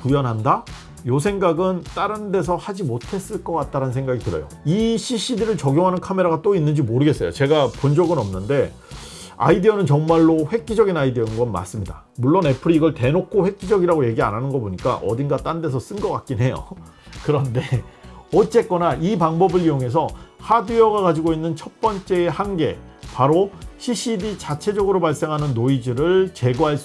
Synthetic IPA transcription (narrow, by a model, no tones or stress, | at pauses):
kujʌnɦanda | josʰeŋɡaɡɯnt͈aɾɯnde̞s̬ʰʌhad͡ʑimotʰe̞s͈ɯɭk͈ʌk͈at̚t͈aɾanɯnsʰeŋɡaɡitɯɾʌ̰jo̰ | iɕʰiɕ͈idɯɾɯɭt͡ɕʌɡjoŋɦanɯnkʰame̞ɾaɣat͈oinːɯnd͡ʑimoɾɯɡe̞s͈ʌjo̰t͡ɕe̞ɡapond͡ʑʌɡɯnʌmnɯnde̞ | a̰idiʌnɯnt͡ɕʌŋmaɭːoɸwe̞k̚k͈id͡ʑʌɡinaidiʌnɡʌnma̰s͈ɯmɲida̰ | muɭːone̞pʰɯɾiːɡʌɭte̞nokʰoɸwe̞k̚k͈id͡ʑʌɡiɾaɡoje̞ɡia̰nɦanɯnɡʌboɲik͈a̰ʔʌ̰dinɡat͈ande̞sʰʌs͈ɯnɡʌk͈ak̚k͈inɦe̞jo̰ | kɯɾʌnde̞ʌt͡ɕ͈e̞k͈ʌnaipaŋbʌbɯɭijoŋe̞s̬ʰʌhadiʌɡakad͡ʑiɡoinːɯnt͡ɕʰʌt̚p͈ʌnt͡ɕ͈e̞ːhanɡe̞ | paɾoɕʰiɕ͈ʰidit͡ɕat͡ɕʰe̞d͡ʑʌɡɯɾobaɭs͈e̞ŋɦanɯnːoid͡ʑɯɾɯɭt͡ɕe̞ɡoɦaɭs͈